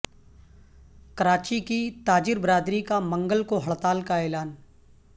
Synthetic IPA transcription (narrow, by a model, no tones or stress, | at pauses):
kəɾaːt͡ʃikit̪aːd͡ʒɪɾbɾaːd̪ɾikamə̃ŋɡəlkoɦɐɭt̪aːlkaɛːlaːn